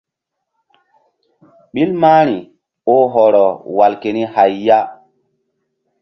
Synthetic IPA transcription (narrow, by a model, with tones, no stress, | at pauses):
ɓi˦lma˦ɾi˨ | o˦ɦɔ˨ɾɔ˨wa˨lke˨ni˦ha˨jːa˦